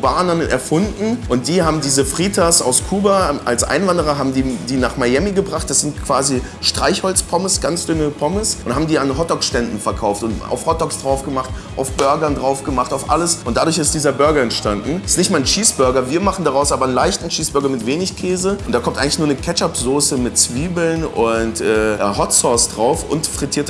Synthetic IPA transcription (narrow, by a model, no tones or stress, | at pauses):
baːnənʔɛ̰ɐfʊndn̩ʔʊnt̚d̥iːɦaːbm̩diːzəfʁ̥iːtʰasa̰ʊskʰuːbaʔa̰lsʔa̰ɪnvandəʁ̞ɐɦaːbm̩diːdiːnaːχmajɛmiɡəbʁaχt̚d̥asz̥ɪntkʰv̥aːzi | ʃtʁ̥aɪçhɔlt͡spʰɔməsɡ̥ant͡sd̥ʏnəpʰɔməsʔʊnthaːbm̩diːanɦɔtɔkʃtɛndn̩fɛɐkʰaʊftʊnta̰ʊfhɔtɔksd̥ʁaʊfɡ̥əmaχtʔa̰ʊfb̥œɐɡɐndʁaʊfɡ̥əmaχtaʊfʔa̰ləsʔʊnt̚d̥adɾʊɐçɪstd̥iːzɐbʏɐɡɐɛntʃtandn̩stnɪçtmaɐnʃiːsb̥ʏɐɡɐviːɐmaχn̩daʁaʊsʔaːbɐnlaɪçtn̩ʃiːsb̥ʏɐɡɐmɪtv̥eːnɪçkʰɛːzəʊntd̥aːkɔmtʔaɪɡŋlɪçnuɐnəkʰɛt͡ʃapz̥oːsəmɪt̚t͡sv̥iːbl̩nʔʊntʔɛːʔhɔtsɔɐsd̥ʁaʊfʊ̰ntfʁ̥itʰiːɐt